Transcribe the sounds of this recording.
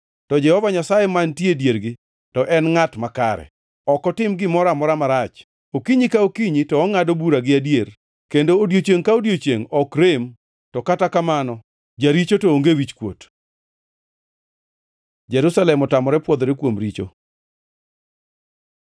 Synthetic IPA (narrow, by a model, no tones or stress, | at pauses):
tɔd͡ʒɛhɔvaɲasajemantjedjeɾɡɪ | tɔʔɛnŋatmakaɾɛ̰ | ɔkɔtɪmɡɪmɔɾamɔɾamaɾat͡ʃ | okiɲikaokiɲitɔɔŋadobuɾaɡɪadjeɾ | kendoːdjot͡ʃeŋkaodjot͡ʃeŋɔkɾem | tɔkatakamanɔ | d͡ʒaɾit͡ʃotooŋɡewit͡ʃkwot | d͡ʒɛɾusalɛmɔtamɔɾɛpwɔd̪ɾekwomɾit͡ʃo̰